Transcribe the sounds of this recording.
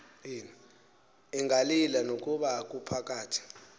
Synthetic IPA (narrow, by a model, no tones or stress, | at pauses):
jiːni | iŋʱalilanok̬ʼuɓak̬ʼupʰak̬ʼaːtʰi̥